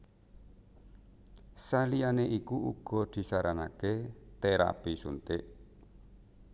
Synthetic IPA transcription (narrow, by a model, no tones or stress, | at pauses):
salianeʔikuʔṵɡ̥ɔ̤d̪̥i̤saɾanaket̪eɾa̰pisṵnt̪ɪʔ